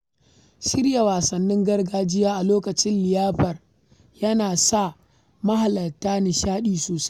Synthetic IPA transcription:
ʃɪ˦rja˨waː˨sɐ˨nːɪ˦ŋɡɐ˦rɡaː˦d͡ʒɪ˦jaː˦ʔa˨loː˦kɐ˨t͡ʃɪ˦nlɪ˨jaː˦ɸɐ˨r | jɐ˦naː˨sa˦˨ | mɐ˦ɦa˨lɐ˨tːaː˦nɪ˨ʃaː˦ɗiː˨soː˨sḁ˦

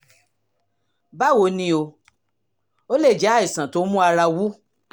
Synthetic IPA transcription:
ba˦˨wo˨˧˦nĩ˧o˧ | o˦le˦˨d͡ʒɛ˨˦a˦˨i˨sã˨to˨˦mũ˦a˧ɾa˧wu˦

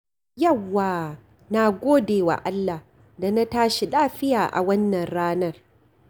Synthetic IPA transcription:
jɐ˦˨wːaː˨ | na˨ɡʷoː˦deː˨wa̰˨ʔa˦lːa˨h | da˨na˦taː˦ʃi˨laː˦ɸɪ˦jaː˨ʔa̰˨wɐ˦nːɐ˨nɽaː˦nɐ˦˨r

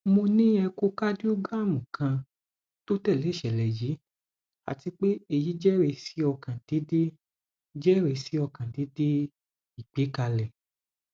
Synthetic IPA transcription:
mo˧nĩ˦ɛ˧ko˧ka˦di˦u˦ɡa˦˨mũ˨kʰã˧ | to˦tɛ˦˨le˨˦˨ʃɛ˨lɛ˨ji˨˦ | a̰˨ti˧k͡pe˦e˦˨ji˨˦d͡ʒɛ˦ɾe˧si˨˦ɔ˧kã˨d̥i˨˦de˦ | d͡ʒɛ˦ɾe˧si˨˦ɔ˧kã˨di˨˦de˦ | i˦˨k͡pe˨˦ka˧lɛ˨

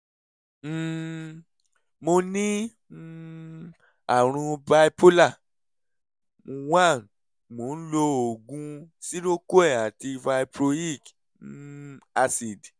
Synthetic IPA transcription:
mo˧nĩ˦ | a˨ɾ̃ũ˧ba˧i˦po˦la˦˨ | wã˦˨ | mo˨˦n̩˦lo˧o˨ɡũ˧si˦ɾo˦ko˦ɛ˦˨a˨ti˧va˧i˧pɾo˧i˦˨k | a˧si˨d

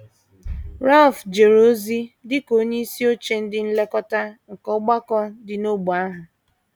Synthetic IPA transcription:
ɾa˦lfd͡ʒe˨ɾo˦zi˦dɪ˦ko˦ɲe˦i˦si˦o˦t͡ʃe˦n̩˦dɪ˦n̩˦le˦kɔ˦ta˦ŋ̩˨kɔ˦ɡ͡ba˦kɔ˦dɪ˨no˦ɡ͡bu˨a˦ɦʊ˨

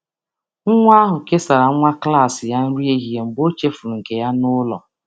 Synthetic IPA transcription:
ŋ̩˦ŋʷa˦ɦʊ˨ke˦sa˨ɾa˨˦ŋʷa˦kla˦˨sɪ˨ja˦n̩˦ɾi˦e˦ɦi˨e˨m̩˨bo˦t͡ʃe˦fu˨ɾŋ̩˨ke˨ja˦nʊ˦lɔ̰˨

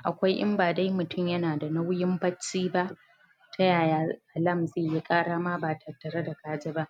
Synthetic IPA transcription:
ʔa˨kʷa˦jʔɪ̰˦mbaː˨da˦jmʊ˨tʊ˦˨mjɐ˦naː˨da˨na˦wjɪ˦mbɐ˦t͡ʃːiː˦ba˦ʔ | tʰɐ˦jaː˨jaː˦ʔa˨lɐ˦˨mzeː˦˨ji˦kʼaː˦ɽaː˦ma˦baː˨tʰɐ˨tːɐ˨ɾa˦da˨kaː˦d͡ʒɪ˦ba˦ʔ

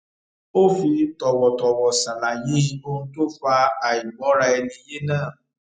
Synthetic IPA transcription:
o˦fi˧tɔ˨wɔ˨tɔ˨wɔ˨sa˨la˨jĩ˨˦i˧˦õ˧˦to˦fa˧a˨i˨ɡ͡bɔ̃˨˦ɾa˧ɛ˧nĩ˧je˦nãː˦˨

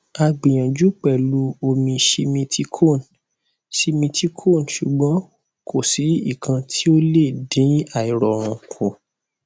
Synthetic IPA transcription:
a˧ɡ͡bĩ˨j̃ã˨d͡ʒu˨˦k͡pɛ˦˨lu˨˦o˧mĩ˧ʃi˧mĩ˧tʰi˦kʰo˦˨n | ʃi˧mĩ˧tʰi˧kʰo˦˨nʃu˨ɡ͡bɔ̃˨˦ | kʰo˦˨si˨˦i˦˨kʰã˧tʰi˦o˦le˦˨dĩ˨˦a˦˨i˨ɾɔ˨ɾ̃ũ˨kʰõ˨

